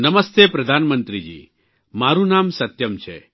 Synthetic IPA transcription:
nɐməst̪epɾɐd̪ʱaːnmənt̪ɾid͡ʒḭː | maɾunamsɐt̪jəmt͡ʃʰḛ

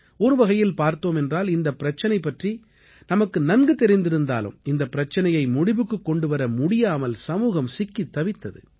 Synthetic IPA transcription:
ɔɾɯʋɐɣɐjɪlpaːɾt̪oːmɛndraːlɪnd̪ɐpːɪɾɐt͡ʃːɐnɐɪpːɐʈri | nɐmɐkːɯnɐnɡɯt̪ːɛɾɪnd̪ɪɾɯnd̪a̰ːlɯ̰mɪnd̪ɐpːɪɾɐt͡ʃːɐnɐjɐɪmʊɽɪʋɯkːɯkːɔɳɖɯʋɐɾɐmʊɽɪjaːmɐlsɐmuːɣɐmsɪkːit̪ːɐʋɪt̪ːɐðɯ̰

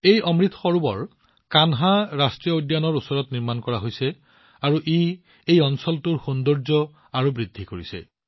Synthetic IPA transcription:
ejʔɔmɹit̪ʰxɔɹubɔɹ | kanɦaɹastɹiɔodjanɔɹusɔɹɔtniɹmankɔɹaɦojsɛ | aɹuʔi | ejɔnsɔltuɹxondɔɹzɔ | aɹubɹidʱːikoɹisɛ̰

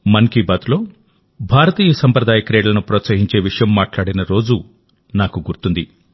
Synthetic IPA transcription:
mɐnkiːbaːd̪lo̞ː | bʱaːɾɐt̪iːjɐsɐmpɾɐd̪aːjɐkɐɾeːɽlɐnupɾoːt̪sɐɦiɲt͡ʃe̞ːʋiʂɐjɐmːaːʈlaːɽinɐɾo̞ːd͡ʒu | naːkuɡuɾt̪und̪i

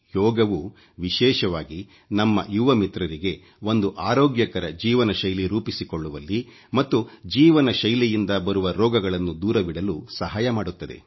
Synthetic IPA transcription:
jɔːɡɐʋu | ʋiʃɛːʃɐʋaːɡi | nɐmːɐ̰juʋɐmit̪ɾɐɾiɡe̞ | o̞nd̪uʔaːɾoːɡjɐkɐɾɐd͡ʒiːʋɐnɐʃɐjliɾuːpisikoɭːuʋɐlːi | mɐt̪ːud͡ʒiːʋɐnɐʃɐjlijind̪ɐbɐɾuʋɐɾɔːɡɐɡɐɭɐnːud̪uːɾɐbiɽɐlusɐɦaːjɐmaːɽut̪ːɐd̪e̞̰

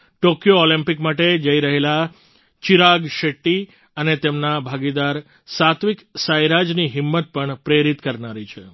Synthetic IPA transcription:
ʈokjoolimpikmaʈed͡ʒəiɾəɦela | t͡ʃiɾaɡʃeʈːi | ənet̪emnabʱaɡid̪aɾ | sat̪ʰʋiksajɾad͡ʒniɦɪmːət̪̚pəɳpɾeɾit̪kəɾnaɾit͡ʃʰe

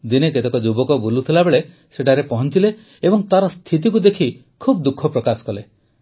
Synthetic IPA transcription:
d̪ineket̪ekɔd͡ʒubɔkɔbulut̪ʰilabeɭe | seʈʰaɾepɔɦɔnt͡ʃileː | bɔŋt̪aɾɔst̪ʰit̪̬ikud̪ekʰi | kʰub̚d̪ukʰːɔpɾɔkasɔ̥kɔle

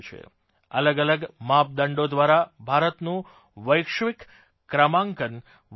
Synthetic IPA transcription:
t͡ʃʰḛ | ələɡələɡmap̚d̪əɳɖod̪ʋaɾabʱaɾət̪nũ | ʋəjkʃʋikː | ɾəmãŋkən

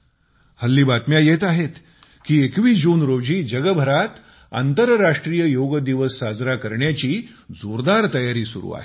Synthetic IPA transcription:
həlːiːbat̪mjajet̪aɦet̪ | kiːekʋiːd͡ʑuːnɾod͡ʑiːd͡ʑəɡəbʱəɾat̪ | a̰nt̪əɾːaʂʈɾijəjoɡəd̪iʋəsːad͡zɾakəɾɳjat͡ɕiːd͡zoɾd̪aɾt̪əjaɾiːsṵɾṵːa̰ɦe

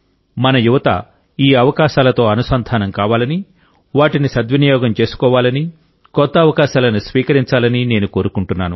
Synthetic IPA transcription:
mɐnɐjuʋɐt̪ɐ̰ | iːɐʋɐkaːʃaːlɐt̪o̞ːɐnusɐnd̪ʱaːnɐmkaːʋaːlɐni | ʋaːʈinisɐd̪ʋɐnijɔːɡɐmt͡ʃe̞ːsu̥kɔːʋaːlɐni | kɔt̪ːɐːʋɐkaːʃaːlɐnusʋiːkɐɾiɲt͡ʃaːlɐnine̞ːnuko̞ːɾukuɳʈunːaːnu

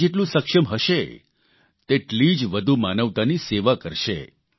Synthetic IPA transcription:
eʈlũsəkʃəmɦəʃe | t̪eʈlid͡ʒʋəd̪ʱumanəʋt̪aniseʋakəɾʃḛ

